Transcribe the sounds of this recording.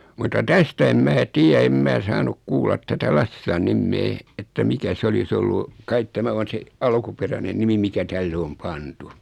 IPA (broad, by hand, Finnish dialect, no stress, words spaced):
mutːɑ tæstæ em mæː tiæ em mæː sɑːnuk kuːlːɑt tætæ lɑsːilɑn nimːeː etːæ mikæ se olis olːu kɑit tæmæ on̞ se ɑlkuperæne nimi mikæ tælːe om pɑntu